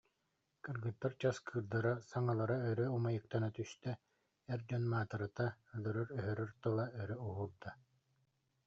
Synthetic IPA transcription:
kɯɾɡɯt̪ːaɾt͡ɕaskʰɯːɾd̪aɾasaŋalˠaɾaœɾœumajɯk̚t̪anat̪yst̪ɛ | ɛɾd͡ʑɔnmaːt̪ɯɾat̪alœɾœɾœɦœɾœɾt̪ɯlˠaœɾœuɦuɾd̪a

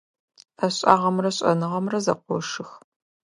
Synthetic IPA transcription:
ʔɐɕʼa̰ːʁɐmrɐɕʼɐ̰nɨʁɐmrɐzɐ̰qʷɔʂɨx

